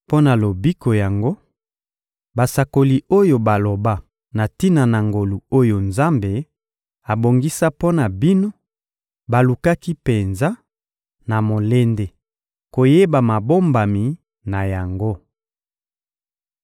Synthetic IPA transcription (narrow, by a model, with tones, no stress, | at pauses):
po˦na˨lo˨bi˦ko˨ja˨ŋɡo˦ | ba˨sa˨ko˨li˨o˦jo˨ba˨lo˨ba˦ | na˨ti˦na˨na˨ŋɡo˨lu˨o˦jo˨nza˦mbe˨ | a˨bo˨ŋɡi˦sa˦po˦na˨bi˦no˦ | ba˨lu˨ka˦ki˦pe˨nza˦ | na˨mo˨le˦nde˦ | ko˨je˦ba˨ma˨bo˦mba˨mi˨ | na˨ja˨ŋɡo˦